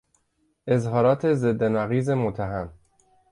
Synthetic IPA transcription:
ʔezɦɒːɾɒːt̪ʰezed̪ːenæɣiːzemot̪ʰːæɦæm

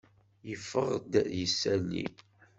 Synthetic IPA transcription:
jəfːəʁd̪jəsːælːḭ

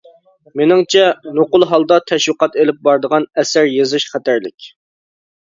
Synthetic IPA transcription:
menɪŋt͡ʃʰɛnoqʊlˠɦɑlˠd̪ɑt̪ʰɛʃwɨqɑt̪elɪp̚bɑɾd̪əʁɑnɛsæɾjezɨʃχæt̪æɾlɪkʲ

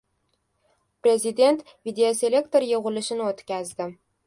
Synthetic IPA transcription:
pɾʲe̞zʲid̪ʲe̞nt̪ | vʲid̪ʲeose̞lʲe̞kt̪o̞ɾjoʁʊlɪʃɪnɪot̪kʲazd̪ɪ

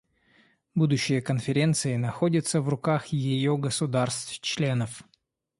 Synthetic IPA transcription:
bud̪ʊɕːɪjəkənfʲɪɾʲe̞nt̪sɨɪnɐxo̞dʲɪt̪səvrʊkaxjɪjoɡəsʊd̪arst̪ft͡ɕlʲe̞nəf

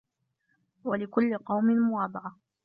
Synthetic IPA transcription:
walɪkʊlːɪqɑwmɪnmʊwɑːb̪ˤɑʕɑ

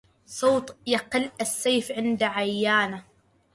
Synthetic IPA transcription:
sˤoːt̪ˤjɑqɪlːasːajfʕɪnd̪aʕajːaːna

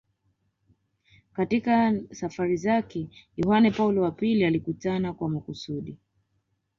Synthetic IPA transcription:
katikasafaɾizakɛjɔhanɛpaulɔwapilialikutanakwamakusuɗi

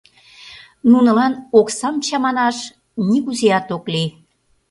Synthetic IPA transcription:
nunə̆lɑnoksɑmt͡ɕɑmɑnɑʃ | niɣuzeɑt̪okli

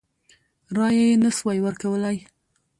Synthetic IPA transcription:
ɾɑjajenəswajwəɾkawəlaj

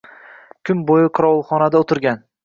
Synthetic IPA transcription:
kʰʲʊmbojɪqʰʊɾɒlˠχɒnad̪aot̪ʰɪɾɡʲan

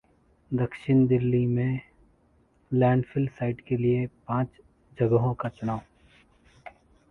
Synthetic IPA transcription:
d̪ɐkʃɪnd̪ɪlːimẽ | lɛ̃ːɳɖfʰɪlsaːɪʈkeliepãːt͡ʃ | d͡ʒɐɡəɦõkat͡ʃʊnaːʊ

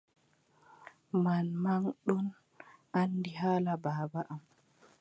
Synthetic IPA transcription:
manmaŋɗɔn | andiɦaːlabaːbaʔam

